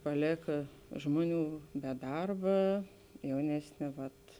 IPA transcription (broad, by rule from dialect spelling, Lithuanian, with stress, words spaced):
ˈpɑːlʲeːkɐ ˈʒmoːˌnʲuː bʲɛ ˈdɐrbɐ ˈjɛʊnʲɛsʲˌnʲeː ˈʋɐt